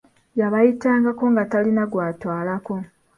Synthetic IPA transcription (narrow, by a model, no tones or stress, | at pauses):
jaβajitaːŋɡako̞ŋɡatalinaɡwaːtwaːlako̞